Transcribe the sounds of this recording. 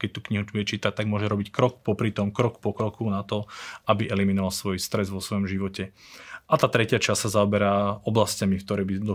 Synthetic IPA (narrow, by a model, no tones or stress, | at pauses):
kɛc̚t̪ukɲiɦuɛt͡ʃiːt̪ac̚t̪aɡmʊɔʒɛɾɔbickɾɔk̚pɔpɾit̪ɔmkɾɔkpɔkɾɔkʰunat̪ɔabiʔɛliminɔʋalsʋɔjst̪ɾɛzʋɔsʋɔjɔmʒiʋɔcɛ | ʔat̪aːt̪ɾɛcɪat͡ʃassazaɔbɛɾaːɔblascamikt̪ɔɾɛːbid̪ɔ